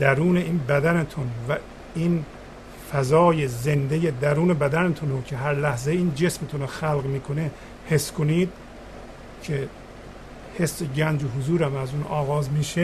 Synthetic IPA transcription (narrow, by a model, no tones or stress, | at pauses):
d̪̥æɾuːne̞iːnbæd̪ænet̪ʰunvæ | iːn | fæzɒːjeze̞nd̪ejed̪æɾuːne̞bæd̪ænet̪ʰunocʰeɦæɾlæhzeiːnd͡ʒe̞smet̪ʰunoxælɣmiːkʰo̞ne̞ | he̞skʰoniːd̪̚ | cʰe | he̞sːeɟænd͡ʒoɦozuːɾæmæzuːnɒːɣɒːzmiːʃe